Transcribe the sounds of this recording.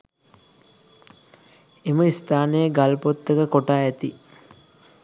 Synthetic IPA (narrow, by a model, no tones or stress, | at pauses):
eməist̪aːnəjəɡalpot̪ːəkəkoʈaːɛt̪i